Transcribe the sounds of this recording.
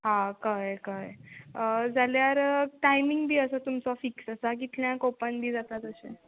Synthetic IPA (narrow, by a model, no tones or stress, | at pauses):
ɦãkajkajəd͡zʱaljaɾʈajmiŋɡbʱiːəsat̪umt͡sɔfiksəsak̬it̪ljãkopənbʱiːd͡zat̪at̪əsḛ